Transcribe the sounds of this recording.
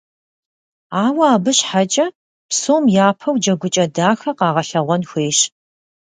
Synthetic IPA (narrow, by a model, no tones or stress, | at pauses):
aːwɐaːbɨɕħat͡ʃʼɐ | psoːmjaːpʰɐwd͡ʒɐɡʷʊt͡ʃʼɐdaːxɐqɑːʁɐɬɐʁʷɔnxʷeːɕ